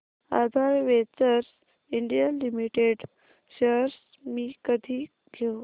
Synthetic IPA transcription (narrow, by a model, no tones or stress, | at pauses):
a̰d̪ʱaɾʋet͡səɾs | iɳɖijəlimiʈeɖ | ɕəɾs | miːkəd̪ʱiː | ɡʱew